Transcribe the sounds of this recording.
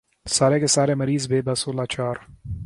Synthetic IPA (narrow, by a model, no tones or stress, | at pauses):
saːɾekesaːɾemɐɾiːzbeːbɐsoːlaːt͡ʃaːɾ